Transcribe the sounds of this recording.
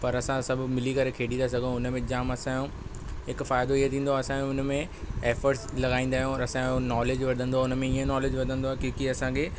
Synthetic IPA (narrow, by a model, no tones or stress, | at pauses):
pɐɾɐsãsɐbʱmɪlikɐɾekʰeːɽĩnd̪as̬ɐɡʱə̃ʊnmẽd͡ʑaːmɐsãjũ | ɦɪkfaːɪd̪oiɦet̪ʰĩːnd̪oaːɐsãːjũʊnmẽ | eːfəɾʈslɐɡaːĩːn̆d̪aːɦijũɐsãõnɔːleːd͡ʑʋɐɾd̪ʱə̃nd̪oaʊnmẽiẽnɔːleːd͡ʑʋɐɾd̪ʱə̃nd̪oaːkẽkiɐsãkʰeː